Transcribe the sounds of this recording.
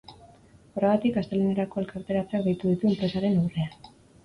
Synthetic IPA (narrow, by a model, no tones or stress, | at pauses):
oreɣat̪ikast̪eluneɾako̞e̞lkaɾt̪e̞ɾat͡seak̚d̪ejt̪uðit̪ue̞mpɾe̞saɾe̞nuwre̞a